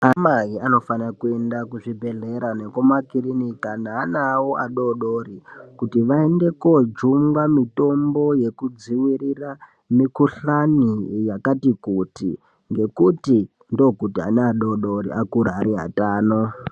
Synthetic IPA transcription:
amaɦiano̞fanakue̞ndakuʐibʱe̞ɮeɾane̞komakiɾinikanaːnawoʔaɗo̞ɗoɾikutiʋaende̞ko̞d͡ʒumɡamito̞mbo̞je̞kud͡ziwirira | mikuɬanijakatikutḭ | ŋɡe̞kuti | ndo̞kutia̰neaɗo̞ɗo̞ɾiakuɾaɦaɾiɦa̰taːno

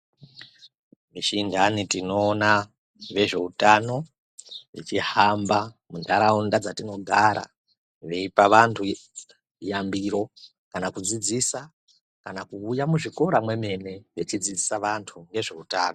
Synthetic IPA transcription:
miʃindanitino̞ːna | ʋe̞ʐe̞utano̞ | it͡ʃiɦamba | mundaɾaundad͡zatino̞ɡʱaɾa̰ | ʋe̞ipaʋantʰu | jambiɾo̞ | kanakud͡zid͡zisa | kanakuːjamuʐiko̞ɾamwe̞me̞ne̞ʋet͡ʃid͡zid͡zisaʋantʰuŋɡe̞ʐe̞utaːno

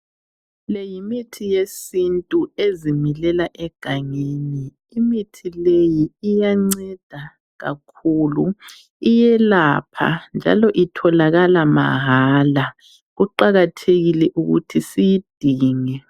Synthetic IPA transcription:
lɛjimitʰijesintʼuezimilɛlaʔɛɡ̥ʱaŋeniː | mitʰilejiːjaŋ͡ǀɛd̥ʱa | ɣa̰kʰuːlu | ijɛlapʰa̰nd͡ʒʱa̰lɔʔitʰɔlaɣalama̰ɦaːla | ɣuǃaɣatʰeɣilɛʔuɣṵtʰisijid̥ʱiːŋɛ

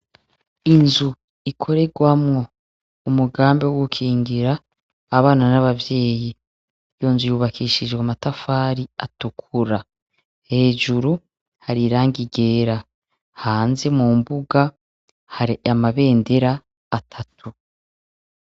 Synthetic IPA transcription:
inzu | ikʰo̞ɾe̞ɡwamŋo̞ | umuɡaːmbiwoɡukʰiːŋɡiɾaː | βaːnanaβavje̞ːji | jo̞ːnzujuβakʰiːʃid͡ʒɡwamatafaːɾia̰tukʰuɾa | he̞ːd͡ʒuɾu | haɾiɾaːŋɡiɡe̞ːɾa | haːnze̞muːmbuɡa | haɾiamaβe̞ːnde̞ɾaː | tʰatʰu

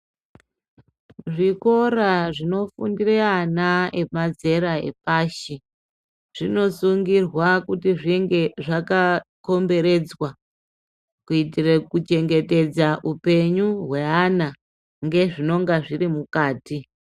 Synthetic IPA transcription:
ʐiko̞ɾaʐino̞fṵndireanae̞mad͡ze̞ɾaḛpaːʃi | ʐ̥ino̞suŋɡirwakutiʐiŋɡeʐakako̞mbe̞ɾe̞d͡zwa | kuitirekut͡ʃe̞ŋɡe̞te̞d͡zaʔupe̞ɲuɦwe̞ana | ŋɡe̞ʐino̞ŋɡaʐirimukaːti

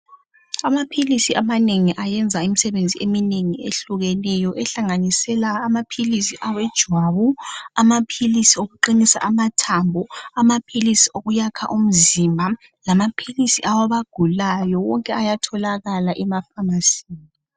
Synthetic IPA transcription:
amapʰilisiʔamaneŋiʔajɛnd͡zʱaimisɛβend͡zʱiemineŋiḛɬuɣelijɔʔɛɬaŋanisɛlaːmapʰilisiʔawɛd̥ʒ̥ʱwaβuamapʰilisioɣuǃinisa̰ʔamatʰambʱɔamapʰilisioɣujakʰa̰ʔum̩zimbʱa | lamapʰilisiʔawaβaɡ̥ʱulajɔwɔŋkʼɛajatʰɔlaɣalaʔɛmafamasiːni

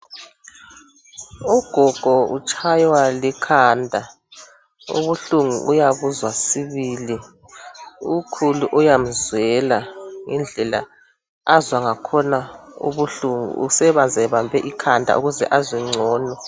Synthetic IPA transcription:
uɡ̥ʱɔɡ̥ʱɔut͡ʃʼʰajwalikʰaːndʱa | ṵβuɬuŋṵʔujaβuzwasiβiːli | ukʰuluʔujam̩zwɛlaŋind͡ɮʱɛla̰ | azwaŋakʰɔnaṵβuɬuŋṵṵsɛβand͡zʱɛβambʱɛʔikʰandʱa̰ʔṵɣuzɛ̰ʔaziŋ͡ǀʱɔːnɔ

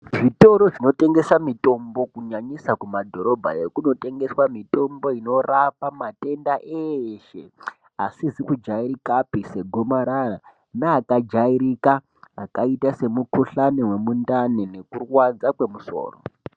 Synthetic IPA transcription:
ʐʐito̞ɾoʐino̞te̞ŋɡe̞samito̞mbo̞kuɲaɲisakumadʱo̞ɾo̞bʱa̰jekuno̞te̞ŋɡe̞swamito̞mbo̞ino̞rapamate̞ndaʔeʃe | asizikud͡ʒaiɾikapise̞ɡʱo̞maɾara | naːkad͡ʒaiɾikaː | kaitase̞mukuɬanewe̞mundanene̞kurwad͡zakwe̞muso̞̰ːro

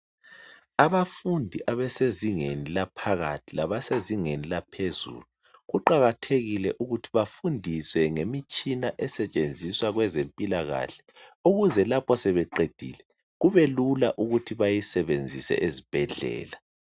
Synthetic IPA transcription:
aβafundʱiʔaβɛseziŋenilapʰaɣatʰilaβaseziŋenilapʰezṵlu | ɣuǃaɣatʰeɣilɛʔuɣutʰiβafundʱiswɛŋemit͡ʃʼinaʔɛsɛt͡ʃʼend͡zʱiswaɣwɛzempʼilaɣa̰ɬɛ̥ | uɣuzɛlapʰɔsɛβɛǃed̥ʱḭːlɛ | ɣuβelulaʔuɣutʰiβajisɛβend͡zʱisɛ̰ʔezib̥ʱɛɮɛ̰ːla

